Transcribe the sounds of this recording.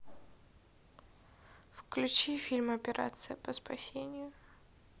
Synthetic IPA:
fklʲʉt͡ɕifʲilʲmɐpʲɪɾʔa̰t̪sɨjəpəspɐsʲenʲɪjʊ

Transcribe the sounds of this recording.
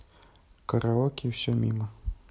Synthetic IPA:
kəɾaɔkʲiwsʲɔmʲḭmə

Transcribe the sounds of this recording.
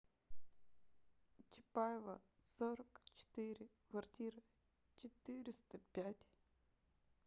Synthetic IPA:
t͡ʃɪ̥pajɪvəsoɾəkt͡ɕɪ̥t̪ɨɾʲɪkvɐrtʲiɾɨ | t͡ʃɪt̪ɨɾʲɪst̪əpʲætʲ

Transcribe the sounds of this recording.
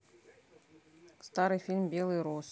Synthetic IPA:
st̪aɾɨjfʲilʲmbʲelˠɨjɾus

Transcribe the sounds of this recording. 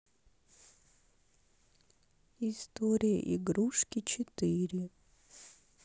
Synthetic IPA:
ist̪oɾʲɪjə̰ʔḭɡɾuʂkʲɪt͡ɕɪt̪ɨɾʲɪ

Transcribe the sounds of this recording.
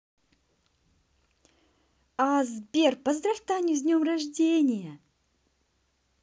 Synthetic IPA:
azbʲerpəzd̪raft̪anʲuzʲnʲomraʐdʲenʲɪjə

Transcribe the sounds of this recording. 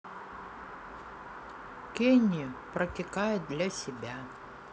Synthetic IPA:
kʲenʲɪpɾɐkʲɪkajʊt̪̚d̪lʲasʲɪbʲa

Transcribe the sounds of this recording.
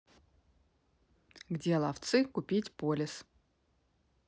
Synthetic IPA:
ɡdʲelˠaft̪sɨkupʲitʲpolʲɪs

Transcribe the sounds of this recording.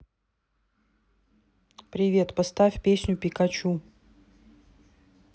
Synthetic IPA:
pɾʲɪvʲe̞t̪pɐst̪afʲpʲesʲnʲʊpʲɪkat͡ɕu

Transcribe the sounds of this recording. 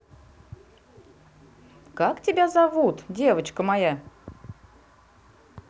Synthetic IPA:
kaktʲɪbʲazɐvut̪dʲe̞vət͡ɕkəmaja

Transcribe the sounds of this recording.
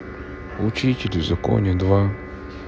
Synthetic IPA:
ut͡ɕitʲɪlʲɪvzɐko̰nʲɪd̪va

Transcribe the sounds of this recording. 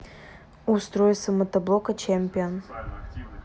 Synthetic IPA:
ust̪ɾojsəmɐt̪ɐblˠokət͡ɕemʲpʲion

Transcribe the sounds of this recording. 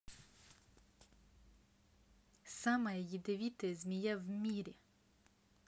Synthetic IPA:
samɐjjid̪eʋʲit̪ezmʲijɛwmʲiɾʲi

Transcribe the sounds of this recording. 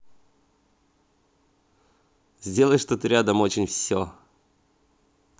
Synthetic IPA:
zʲdʲe̞lˠəjʂt̪ot̪ɨɾʲad̪əmot͡ɕɪnʲfsʲo

